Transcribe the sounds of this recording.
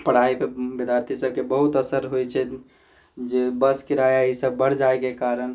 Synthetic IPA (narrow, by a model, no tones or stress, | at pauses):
pəɽ̤aepebed̪jaɾt̪ʰisəbkebəɦut̪əsəɾɦojt͡ʃʰɛ | d͡ʒebəskiɾajaɦisəbːəɽ̤d͡ʒaekekaɾən